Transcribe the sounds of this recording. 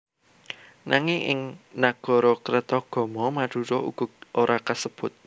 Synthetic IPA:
nʔaŋɪŋɪ̰ŋnaɡ̥ɔ̤ɾɔkɾət̪ɔɡ̥ɔ̤mɔmaɖ̥ṳɾɔʔṵɡ̥ɔ̤oɾʔakasəb̥ʊ̤t̪̚

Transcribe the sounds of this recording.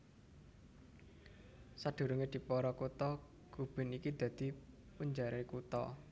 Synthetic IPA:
sad̪̥ṳɾuŋed̪̥i̤pɔɾɔkut̪ɔ | ɡ̥ub̥ɪ̤nikid̪̥ä̤d̪̥i̤ | puɲd͡ʒaɾekut̪ɔ̰

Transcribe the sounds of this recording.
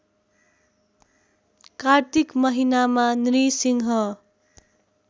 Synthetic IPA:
kart̪ikmʌɦinamanɾisiŋɦʌ

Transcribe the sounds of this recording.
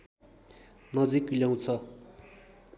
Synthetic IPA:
nʌd͡ziklaw̃t͡sʰʌ

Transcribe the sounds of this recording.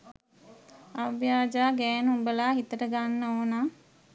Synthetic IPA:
aʋjaːd͡ʒaːɡɛːnubəlaːɦit̪əʈəɡanːəoːna

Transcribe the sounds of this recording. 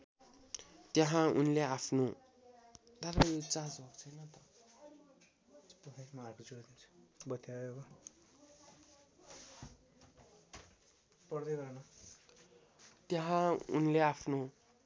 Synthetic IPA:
t̪jeɦãunleapʰno | d̪aɾʌot͡sãd͡zbʱʌkt͡sʰʌjnʌt̪ʌ | p̪ʌpʰamaːrkod͡zoɽd̪int͡sʰu̥bʌt̪jaekʌ | pʌrd̪eɡʌrnʌ | t̪jeɦãṵnleapʰno

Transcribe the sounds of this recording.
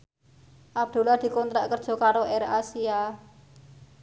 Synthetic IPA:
ʔab̚d̪̥o̤lad̪̥i̤kɔnt̪ɾaʔkərd̥ʒ̥ɔ̤kaɾoʔɛɾasia

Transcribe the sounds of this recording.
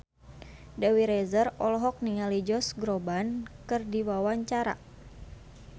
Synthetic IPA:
dawiɾɛzərɔlɔɦɔk̚niŋalid͡ʒɔsɡɾobankɨrdiwawaɲt͡ʃaɾa̰

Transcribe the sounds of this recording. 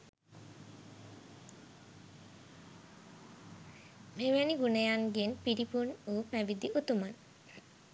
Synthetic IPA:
meʋæniɡunəjaŋɡenpiɾipunuːpæbid̪iʔut̪uman

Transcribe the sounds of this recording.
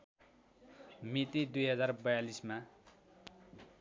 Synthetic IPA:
mit̪id̪ujɦʌd͡zarbʌjalisma

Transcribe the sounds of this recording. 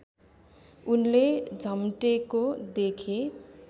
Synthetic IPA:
unled͡zʱʌmʈekod̪ekʰe

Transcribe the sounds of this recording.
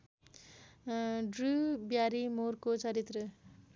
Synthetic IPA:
ɖrubjaɾimoɾkot͡sʌɾit̪ɾʌ

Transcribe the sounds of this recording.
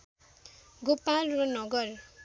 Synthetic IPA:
ɡopalrʌnʌɡʌr

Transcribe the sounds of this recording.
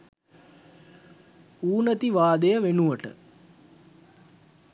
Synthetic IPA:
uːnət̪iʋaːd̪əjəʋenuʋəʈə̰

